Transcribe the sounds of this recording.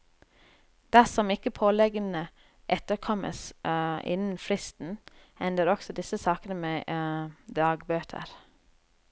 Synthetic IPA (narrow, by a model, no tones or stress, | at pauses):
d̪̥æsɔmɪkəpʰoːlɛɡənə | ʔɛt̪əɾkʰɔmə̰sɪ̰nn̩fɾɪst̪n̩ | ɛnd̪əɾɔksɔd̪ɪsəsɑːkənəmeː | d̪ɑːɡbøːt̪ʰə̰ɾ